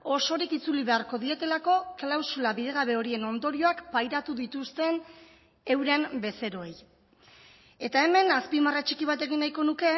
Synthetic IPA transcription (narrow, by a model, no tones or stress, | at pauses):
o̞so̞ɾikit͡suliβe̞aɾko̞ðie̞t̪e̞lako̞klawsulaβiðe̞ɣ̞aβ̞e̞o̞ɾie̞no̞nd̪o̞ɾio̞akpajɾat̪uðit̪ust̪e̞n | e̞wɾembe̞se̞ɾo̞ej | e̞t̪ae̞me̞naspimarat͡ʃikiβ̞at̪e̞ɣinːajko̞nuke̞